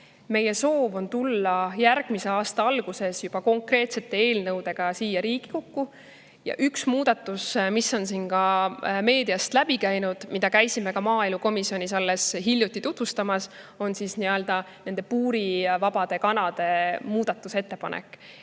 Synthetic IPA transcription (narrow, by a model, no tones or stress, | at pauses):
me̞je̞so̞ːvo̞nt̪ulːɑjærɡ̥mise̞ɑːst̪ɑɑlɡ̥use̞sjub̥ɑko̞ŋkre̞ːt̪se̞t̪ːˑe̞e̞ːlnɤwd̪e̞ɡ̥ɑsiːjɑɾiːɡ̥i̥kokːu | jɑ̰ʔyksmuːd̪̥ɑt̪ːˑusmisːo̞nsinkɑme̞ːd̪̥iɑst̪læb̥ikæjnud̪̥mid̪ɑkæjsime̞kɑmɑːielmuko̞misio̞nʲisɑlːe̞sɦiljut̪ːˑit̪ut̪vust̪ɑmɑs | o̞nsisniø̞ld̪̥ɑne̞nd̪e̞puːɾivɑb̥ɑd̪̥e̞kɑnɑd̪̥e̞muːd̪̥ɑt̪ːˑuse̞t̪ːe̞pɑ̰nʔḛkːˑ